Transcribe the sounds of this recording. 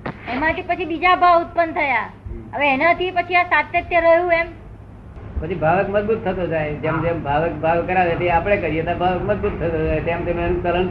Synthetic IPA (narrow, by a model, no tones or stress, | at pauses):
emãt̪ipət͡ʃʰibid͡ʒabʱaʊt̪̚pənt̪ʰəjaɦəʋeːnat̪ʰipət͡ʃʰiasat̪jət̪jəɾəɦjũem | pət͡ʃʰibʱaʋekməd͡ʒbut̪ʰːət̪od͡ʒajd͡ʒemd͡ʒembʱaʋek̚bʱaʋkəɾaʋet̪iapəɳ̃ekəɾiet̪abʱaʋekməd͡ʒ̪but̪ʰːət̪od͡ʒajt̪emt̪emneənukələn